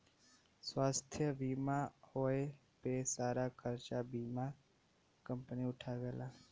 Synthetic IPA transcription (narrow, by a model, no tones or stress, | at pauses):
sʋaːst̪ʰjəʋimãhoe | pesaːɾakʰəɾt͡ʃabimã | kəmpniʊʈʰaʋeːla